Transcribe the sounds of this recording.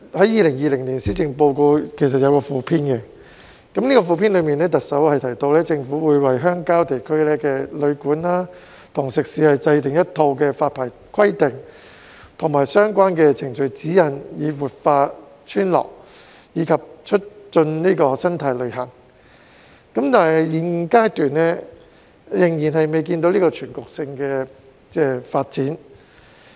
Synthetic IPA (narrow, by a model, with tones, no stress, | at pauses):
hɐ˨˥jiː˨˧lɪ˨˩ŋjiː˨˧lɪ˨˩ŋliː˨˩nsiː˨˥t͡sɪ˨ŋpo˧wko˧kʰe˨˩js̬ɐ˨t̚jɐ˨˧wkɔː˧fuː˨˧pʰiː˥nkɛ˧ | kɐ˨˥mniː˥kɔː˧fuː˧pʰiː˥nlɵ˨˧ɥmiː˨nɛː˥t̪ɐ˨k̚sɐ˨˥whɐ˨jt̪ʰɐ˨˩jt̪o˧wlɛː˥t͡sɪ˧ŋfuː˨˥wuː˨˧jwɐ˨˩jɦœː˥ŋkaː˥wt̪e˨˩jkʰɵ˥ɥlɛː˥kɛː˧lɵ˨˧ɥkuː˨˥nlaː˥ | t̪ʰʊ˨˩ŋsɪ˨k̚siː˨˥hɐ˨jt͡sɐ˧jt̪ɪ˨ŋjɐ˥t̚t̪ʰo˧wkɛː˧faː˧t̚pʰaː˨˩j | kʰɐ˥jt̪ɪ˨˩ŋ | t̪ʰʊ˨˩ŋmaː˨jsœː˥ŋkʷaː˥nkɛː˧t͡sʰɪ˨˩ŋt͡ʃɵ˨˧ɥt͡siː˨˥jɐ˨˩njiː˨˧wuː˨t̚faː˧ | t͡ʃʰyː˥nlɔ̰ː˨˩k̚ | jiː˨˧kʰɐ˨p̚t͡ʃʰɵ˥t̚t͡sɵ˧nniː˥kɔː˧sɐ˥nt̪ʰɐ˧jlɵ˨˧ɦɐ˨˩ŋ | kɐ˨˥mt̪aː˨˩nɦjjjiː˨˩nkaː˥jt̪yː˨˩nːɛː˥ | jɪ˨˩ŋjiː˨˩nɦɐ˨jme˨jk̬iː˧nt̪o˨˥wliː˥kɔː˧t͡ʃʰyː˨˩nkʊ˨k̚sɪ˧ŋkɛː˧ | t͡sɛː˧faː˧t̚t͡siː˨˥n